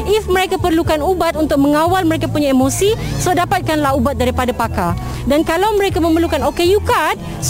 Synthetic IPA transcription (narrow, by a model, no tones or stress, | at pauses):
ɪfmə̃ɾekapərlukanubat̪unt̪ʊk̚mə̃ŋawalmə̃ɾekapuɲaemosisodapat̪̚kanlaɦubat̪̚daɾipadapaka | dankalawmə̃ɾekamə̃mərlukanokejukad̚ | s